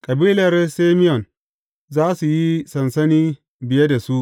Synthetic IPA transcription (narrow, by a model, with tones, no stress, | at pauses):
kʼɐ˨biː˦lɐ˨rsaː˦mɪ˦jɔ˨n | zaː˦su˨ji˦sɐ˨nsɐ˦niː˦ | bɪ˨je˦da˨su˦ʔ